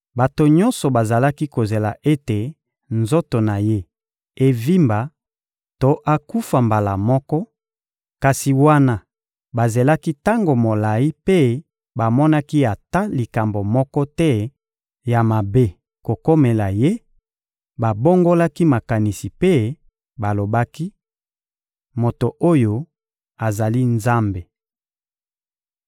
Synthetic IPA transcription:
ba˨to˨ɲɔ˦nsɔ˨ba˨za˨la˦ki˦ko˨ze˨la̰˨ʔe˦te˨ | nzo˦to˨na˨je˦ | e˦vi˦mba˨ | to˦ʔa˦ku˦fa˨mba˨la˨mɔ˦kɔ˦ | ka˨si˨wa˦na˦ | ba˨ze˨la˦ki˦ta˦ŋɡo˨mo˨la˨i˦pe˦ | ba˨mɔ˦na˦ki˦a˨ta˦li˨ka˨mbo˨mɔ˦kɔ˦tɛ˦ | ja˨ma˨be˦ | ko˨ko˦me˨la˨je˦ | ba˨bo˦ŋɡo˦la˦ki˦ma˨ka˨ni˨si˨pe˦ | ba˨lo˨ba˦ki˦ | mo˨to˨o˦jo˨ | a˨za˨li˦nza˦mbe˨

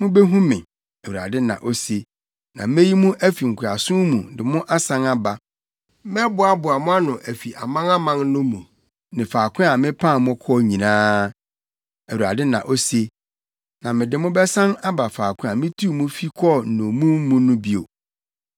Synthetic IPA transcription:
mʊ̃˦bɛ˦ɦũ˦mɪ̃˨ | æ˨u˨ɾa̰˨dɪ˦nã̰˨ʔo˦se˦ | nã̰˨me˦ji˦mũ˦ʔæ˦fi˨ŋ̩˨kʰʊ˨a˨sʊ̃˦mũ˨dɪ˨mʊ̃˦ʔa˦sã˦na˦ba˨ | mɛ˦bʊ˨a˦bʊ˨a˨mʊ̃˦a˦nʊ̃˨ʔæ˨fi˨ʔa̰˨mã˦ŋa˦mã˦ŋnʊ̃˦mũ˨ | nɪ̃˨faː˨kʰʷʊ̃˦a˨mɪ̃˦pʰã˦˨mʊ̃˦kʰɔ˦ɲĩ˨nãː˦ | æ˨u˨ɾa̰˨dɪ˦nã̰˨ʔo˦se˦ | nã˨mɪ̃˨dɪ˨mʊ̃˦bɛ˦sã˦na˦ba˨faː˨kʰʊ̃˦a˨mɪ̃˦tʰu˦˨mũ˦fi˦kʰɔ˦˨n̩˨nõ˨mũ˦m˦mũ˦nʊ̃˦bi˦o̰˨

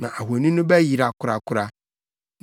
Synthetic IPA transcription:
nã˨ʔa˨ɦu˨o˨nĩ˦nʊ̃˦bæ˦ji˨ɾa˨kʰʊ˦ɾa˨kʰʊ˦ɾa˨ | n

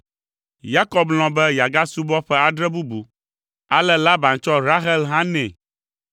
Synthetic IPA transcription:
ja˦kɔ˨bl̃ɔ̃˨bɛ˦ja˨ɡa˦su˦bɔ˦ɸɛ˦a˨ɖɾɛ˦bu˦bu˨ | a˦lɛ˦la˦ba˨nt͡ʃɔ˦ɾa˦ɦɛ˦lɦã˦nɛ̃˨

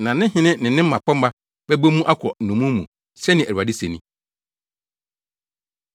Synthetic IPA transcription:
nã˨nɪ̃˦hɪ̃˦nɪ̃˦nɪ̃˨nɪ̃˦m̩˦mã˨pɔ˦m̩˦ba˦ | bɛ˦bo˦mũ˦ʔa˦kʰɔ˨nũ˨mũ˦mṵ̃˨ | sɛ˦nɪ̃˨æ˨ɾa˨di˦se˨nĩ˦˨

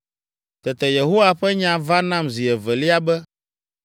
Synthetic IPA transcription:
t̪ɛ˨t̪ɛ˨je˨ɦo˦wa˦ɸɛ˦ɲã˨va˦nã˦mzi˨ɛ˨vɛ˨li˦a˦bɛ˦

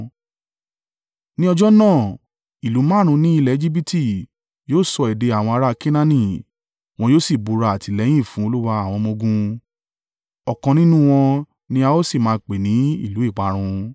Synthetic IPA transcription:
nĩ˦ɔ˧d͡ʒɔ˦nãː˦˨ | i˨lu˨˦mã˦˨ɾ̃ũ˧nĩ˦i˧lɛ˦˨˦d͡ʒi˦bi˦ti˦˨ | joː˦˨sɔ˧ɛ˨de˧a˨w̃ɔ̃˧a˧ɾa˦˧ki˦nã˦nĩ˦ | w̃ɔ̃˧joː˦˨si˦˨bu˨˧ɾa˧a˨ti˨˧lɛ̃˨˦ĩ˦˨fũ˨˦o˧lu˦wa˧a˦˨w̃ɔ̃˧mõ˧ɡũ˧ | ɔ˨kɔ̃˧nĩ˦nũ˦w̃ɔ̃˧ | nĩ˧a˧o˦si˦˨mãː˨˧˦k͡pe˨nĩ˨˦ḭ˦˨lu˨˦i˦˨k͡pa˨˦ɾ̃ũ˧

